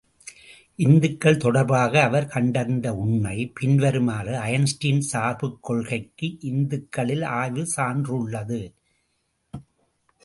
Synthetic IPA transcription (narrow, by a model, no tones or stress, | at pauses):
ʔɪnd̪ɯkːɐɭt̪ɔɽɐɾbaːɣɐːʋɐɾkɐɳɖɐnd̪ɐʊɳːɐɪpɪnʋɐɾɯmaːɾɯɐjɐnsʈɪnsaːɾpɯkːɔɭɣɐɪkːɯʔɪnd̪ɯkːɐɭɪlaːjʋɯsaːndrɯɭːɐðɯ